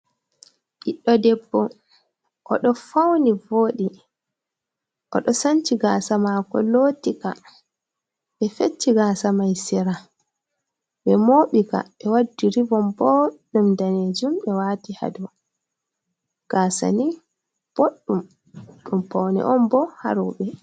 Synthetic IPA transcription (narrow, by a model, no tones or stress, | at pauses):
ʔiɗːɔdɛbːɔ | ʔɔ̰ɗɔfawnivoɗi | ʔɔ̰ɗɔsant͡ʃiɡaːsamakɔ̰lotika̰ | ɓɛfet͡ʃːiɡaːsamajsɛɾa | ɓɛmoːɓika̰ɓɛwadːiɾivɔmbɔɗumdaned͡ʒumɓɛwatiha̰dɔ | ɡ̥aːsa̰ni | b̥oɗːum | ɗumpawnɛ̰ʔɔmbɔha̰ɾuɓɛ